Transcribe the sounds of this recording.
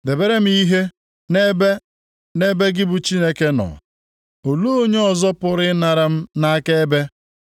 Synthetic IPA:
de˨be˦ɾe˦m̩˦i˦ɦe˦ | ne˦be˦ | ne˦be˦ɡɪ˦bʊ˨t͡ʃi˦ne˦ke˦nɔ̰˨ | o˨lu˦o˦ɲe˦ɔ˨zɔ˦pʊ˨ɾɪ˦na˨ɾa˨m̩˦na˦a˦ke˦e˦be˦

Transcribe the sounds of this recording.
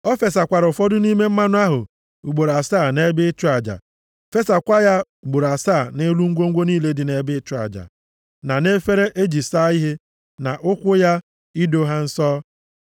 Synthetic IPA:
ɔ˦fe˨sa˨kʷa˨ɾʊ˨fɔ˦dʊ˦ni˦me˦m̩˦ma˦nʊ˦a˦ɦʊ˨ | u˨ɡ͡bo˨ɾa˨saː˦˨ne˦bɪ˦t͡ʃʊ˦a˨d͡ʒa̰˨ | fe˦sa˨kʷa˦ja˦˨ | ɡ͡bo˨ɾa˨saː˦˨ne˦lu˦ŋ̩˦ɡʷo˦ŋ̩˦ɡʷo˦niː˦le˦dɪ˨ne˦bɪ˦t͡ʃʊ˨˦a̰˨d͡ʒa̰˨ | na˨ne˦fe˦ɾe˦ʔe˦d͡ʒi˨sa˦i˦ɦe˦ | na˨ʔʊ˦kʷʊ˦ja˦ | i˦do˦ɦa˦n̩˦sɔː˦

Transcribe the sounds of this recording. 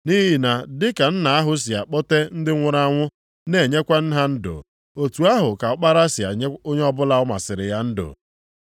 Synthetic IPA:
ni˦ɦɦi˨na˨dɪ˦ka˨n̩˦na˨a˦ɦʊ˦s̬i˨a̰˨k͡pɔ˦te˦n̩˦dɪ˦ŋʷʊ˦ɾa˦ŋʷʊ˦ | ne˨ɲe˦kʷa˦n̩˦ɦa˦n̩˦dʊ̰˨ | o˨tu˨a˦ɦʊ˨ka˨ʊ˦k͡pa˦ɾa˦sɪ˨a̰˨˦o˦ɲe˦ɔ˦bʊ˦la˨ʊ˦ma̰˨sɪ˨ɾɪ̰˨ja˦n̩˦dʊ̰˨

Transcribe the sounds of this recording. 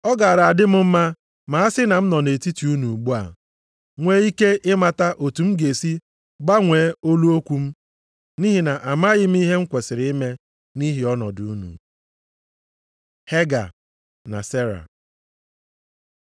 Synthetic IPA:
ɔ˦ɡa˨a˨ɾa˨a˨dɪ˦m̩˦m̩˦ma˦ | ma˨a˦sɪ˦na˨m̩˦nɔ˨ne˨ti˦ti˨˦u˦nu˨ɡ͡bu˦a̰˨ | ŋʷeː˦i˦ke˦ʔɪ˦ma˨ta˦ʔo˨tu˨m̩˦ɡe˨si˦ | ɡ͡ba˦ŋʷeː˨˦o˦lu˦o˦kʷu˦m̩˦ | ni˦ɦi˨na˨ʔa˨ma˦ɣɪ˦m̩˦i˦ɦe˦ŋ̩˦kʷe˨sɪ˨ɾɪ˦ɪ˦me˦ | ni˦ɦi˨ɔ˦nɔ̰˨du˨u˦nṵ˨ | he˦ɡa̰˨ | na̰˨se˦ɾa̰˨

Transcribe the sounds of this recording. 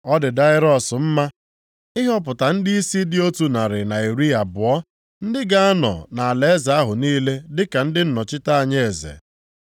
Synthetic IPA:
ɔ˦dɪ˨da˦ɪ˦ɾɔ˦˨sʊ˨m̩˦ma˦ | ɪ˦ɦɔ˦p̬ʊ˨ta˨n̩˦dɪ˦i˦si˦dɪ˦o˦tu˨na˨ɾɪ˨na˨i˨ɾi˦a˨bʊ˨ɔ˦ | n̩˦dɪ˦ɡa˦a˦nɔ̰˨na˨a˨le˨˦e˦za˨a˦ɦʊ˨niː˦le˦dɪ˦ka˨n̩˦dɪ˦n̩˦nɔ˨t͡ʃɪ˦ta˦a˨ɲe˦e˨zḛ˨

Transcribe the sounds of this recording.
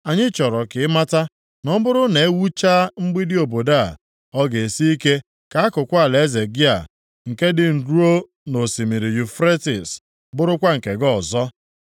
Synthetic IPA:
a˨ɲɪ˦t͡ʃɔ˨ɾɔ˨kɪ˨ɪ˦ma˦ta˦ | nɔ˦bʊ˦ɾʊ˦ne˨e˦wu˦t͡ʃaː˦ŋ͡m̩˦ɡ͡bi˦dɪ˦o˨bo˨da̰˦˨ | ɔ˦ɡe˨e˨si˦i˦ke˦ | ka˨a˦kʊ˨kʷa˨le˨˦ze˨ɡɪ˦a̰˨ | ŋ̩˨ke˦dɪ˦n̩˨du˦o˦ | no˨si˨mi˨ɾi˨ju˨fɾe˦tɪ̰˨s | bʊ˦ɾʊ˦kʷa˦ŋ̩˨ke˨ɡɔ˦˨zɔ˦

